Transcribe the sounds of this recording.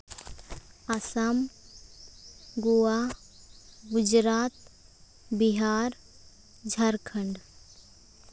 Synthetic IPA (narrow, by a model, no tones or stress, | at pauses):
ɐsam | ɡua | ɡʊd͡ʒɾaːt̪ | biɦaːɾ | d͡ʒʱɐɾkʰəɳɖ